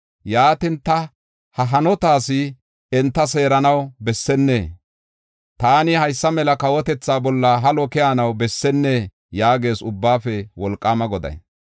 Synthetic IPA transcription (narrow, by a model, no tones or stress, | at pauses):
jaːt̪ɪnt̪ɐ | hɐɦɐnɔt̪aːsɪ | ɛnt̪ːɐs̬e̞ːɾɐnɐwbɛsːɛnːḛː | t̪aːnɪhɐjsːɐmɛlɐkɐwɔt̪ɛt͡sːaːbɔlːɐɦɐlɔkɪjaːnɐwbɛsːɛnːe | jaːɡe̞ːsʊbːaːfɛwɔlkʼːaːmɐɡɔd̪ɐ̰j